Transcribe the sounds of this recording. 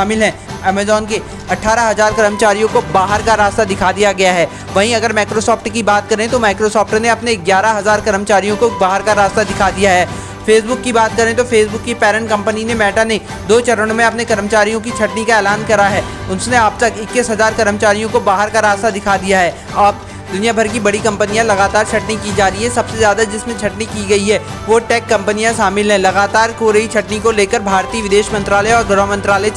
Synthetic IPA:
aːmɪlɦɛ̃ːɛːmɛːzɔːnke | ɐʈʰːaːɾaɦɐzaːɾkɐɾəmət͡ʃaːɾijõkobaːɦəɾkaɾaːst̪ad̪ɪkʰad̪ijaɡɐjaɦɛː | ʋɐɦĩɐɡəɾmaːkɾosɔːpʈkibaːt̪kɐɾẽt̪omaːɪkɾosɔːpʈneɐpneɡjaːɾaɦɐzaːɾkɐɾəmət͡ʃaːɾijõkobaːɦəɾkaɾaːst̪ad̪ɪkʰad̪ijaɦɛː | fʰeːsbʊkːibaːt̪̚kɐɾẽt̪ofʰeːsbʊkːipɛːɾə̃ɳʈkɐ̃mpəninemɛːʈane | d̪oːt͡ʃɐɾəɽ̃õmẽɐpnekɐɾəmət͡ʃaːɾijõkit͡ʃʰɐʈnikaɛːlaːnkɐɾaɦɛː | ʊnsneab̚t̪ɐkɪkːɪsɦɐzaːɾkɐɾəmt͡ʃaːɾijõkobaːɦəɾkaɾaːst̪ad̪ɪkʰad̪ijaɦɛː | aːp | d̪ʊnijabʱɐɾkibɐɽikɐ̃mpənijãlɐɣaːt̪aːɾt͡ʃʰɐʈnikid͡ʒaːɾiɦɛ̃sɐbsezjaːd̪ad͡ʒɪsmẽt͡ʃʰɐʈnikiɡɐiɦɛː | ʋoʈɛːkːɐ̃mpənijãʃaːmɪlɦɛ̃lɐɣaːt̪aːɾkoːɾəit͡ʃʰɐʈnikoleːkəɾbʱaːɾt̪iːʋɪd̪eːʃmɐ̃nt̪ɾaːləɔːɾɡɾɔɦmɐ̃nt̪ɾaːlə

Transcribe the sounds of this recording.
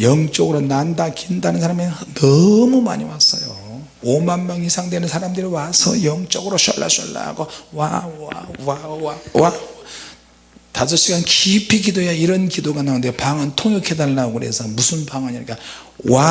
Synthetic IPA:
jʌŋt͡ɕ͈ʌɡɯɾonandakindanɯnsʰaɾaminʌmuma̰ɲiwas͈ʌjo | omanmjʌŋisʰaŋdwenɯnsʰaɾamdɯɾiwasʰʌ̰jʌŋt͡ɕ͈ʌɡɯɾoɕʌ̰ɭːa̰ɕʌlːa̰ɡowa̰awaawa | tas̬ʰʌɕ͈iɡankipʰiɡidojaiɾʌnkidoɡanaɯnde̞paŋɯntʰoŋjokʰedalːaoɡɯɾe̞̰sʰʌmusʰɯnbaŋɦaɲiɲik͈a | wa

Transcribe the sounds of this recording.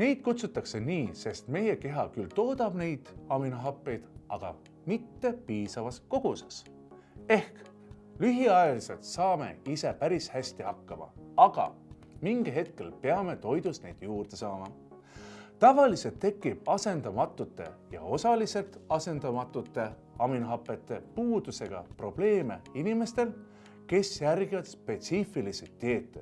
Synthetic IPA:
ne̞jd̪̥kut̪sut̪ːˑɑkse̞niːse̞st̪me̞je̞ke̞ɦɑkylt̪o̞ːd̪̥ɑb̥ne̞jd̪̥ɑminɑɦɑpːe̞jd̪̥ɑɡ̥ɑ̰ | mit̪ːe̞piːsɑvɑsko̞ɡ̥use̥s | e̞hk | lyɦiɑjɑlise̞lt̪sɑːme̞̰ise̞pæɾishæsʲt̪ihɑkːɑmɑ̰ɑɡ̥ɑ̰ | miŋɡ̥eɦe̞t̪̚ke̞lpeɑme̞t̪o̞jd̪̥usne̞jd̪̥juːrd̪̥e̞sɑːmɑ | t̪ɑvɑlise̞lt̪ːe̞kːˑib̥ɑse̞nd̪ɑmɑt̪ːˑut̪ːˑe̞̰jɑ̰o̞sɑlise̞lt̪ɑse̞nd̪̥ɑmɑt̪ːˑut̪ːe̞ | ɑminɦɑpːˑe̞t̪ːe̞puːd̪̥use̞ɡ̥ɑ̰pro̞b̥le̞ːme̞̰inime̞st̪e̞l | ke̞sjærɡ̥ivɑd̪̥spe̞t̪sifiliset̪ʲːeːt̪ːˑe

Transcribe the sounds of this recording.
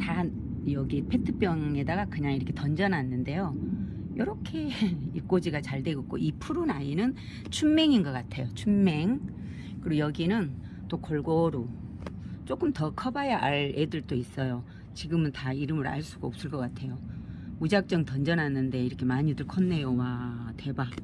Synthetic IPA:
ta | jʌɡipʰe̞tʰɯp͈jʌŋe̞daɡakɯɲaŋiɾʌkʰetʌnd͡ʑʌnɦanːɯnde̞jo | jʌɾʌkʰe̞ik͈od͡ʑiɡat͡ɕaɭde̞ɡʌk̚k͈oʔipʰuɾunainɯn | t͡ɕʰumme̞ŋinɡʌk͈atʰe̞jot͡ɕʰumme̞ŋ | kɯɾojʌɡinɯn | t͈okoɭɡoɾo | t͡ɕ͈ok͈ɯmtʌkʰʌbajaʔaɭedɯɭt͈ois͈ʌjo | t͡ɕiɡɯmɯntaiɾɯmɯɾa̰ɭs͈uɡaop̚s͈ɯɭk͈ʌk͈atʰe̞joud͡ʑak̚t͡ɕ͈ʌŋtʌnd͡ʑʌnɦanːɯnde̞iɾʌkʰemaɲidɯɭkʰʌnːe̞jowatwe̞ba

